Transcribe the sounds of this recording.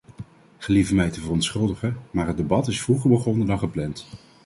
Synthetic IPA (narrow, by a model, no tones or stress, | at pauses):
χəlivəmɛjtəvərɔntsχɵlˠdəχəmaːɹɦət̚debɑtɪsfruχəɹbəχɔnədɑχəplɛnt